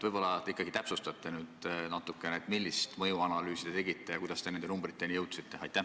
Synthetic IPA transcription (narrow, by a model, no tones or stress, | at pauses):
t̪ːvɤjbo̞lːɑt̪ikːˑɑɡ̥it̪æpsust̪ɑt̪ːˑenyːd̪nɑt̪ːˑukːˑe̞neet̪ˑmilʲːist̪mɤjuɑnɑlyːsid̥̪et̪e̞ɡit̪ːˑe̞jɑkujd̪̥ɑst̪e̞nend̪enumbɾit̪ːˑe̞nijɤwt̪sit̪ːe̞ɑjt̪ːˑæ